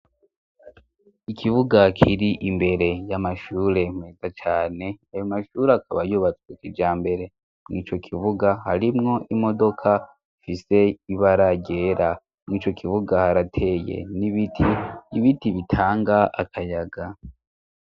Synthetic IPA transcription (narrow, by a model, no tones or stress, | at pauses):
ikʰiβuɡakʰiɾiʔimbe̞ɾe̞jamaʃuːɾe̞mŋeːzat͡ʃaːne̞ajomaʃuːɾeakaβajuβat͡swekid͡ʒaːmbe̞ɾe̞ | mŋiːt͡ʃo̞kʰiβuɡahaɾimŋo̞ʔimo̞do̞kʰa | ifise̞iβaɾaɟe̞ːɾʔa | mŋiːt͡ʃo̞kʰiβuɡahaɾatʰe̞ːjḛniβitʰiiβitiβitʰaːŋɡaa̰kʰajaɡa